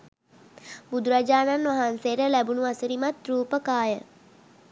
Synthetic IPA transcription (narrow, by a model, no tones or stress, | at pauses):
bud̪uɾad͡ʒaːnanʋaɦanseɾəlæbunuasəɾimat̪ɾuːpəkaːjə